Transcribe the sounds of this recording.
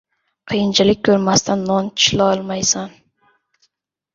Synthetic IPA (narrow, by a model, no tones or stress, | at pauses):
qʰɨjɪnt͡ʃʰalɪk̚ʲkʰːɵɾmast̪ʰanːɒnt͡ʃʰɪ̥ʃlaɒlˠmajsan